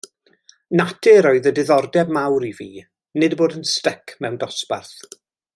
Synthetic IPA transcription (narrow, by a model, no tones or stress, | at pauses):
natʰɪɾɔɨðədɪðɔrdɛbmawɾiviː | nɨdboːdənstɛkʰmɛwndɔspa̰rθ